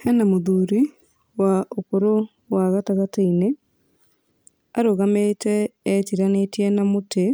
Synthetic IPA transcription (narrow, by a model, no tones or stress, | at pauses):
ɛnamoðuːɾi | waokoɾo | waɣataɣataine | aɾoɣametɛːtiɾanetiɛnamote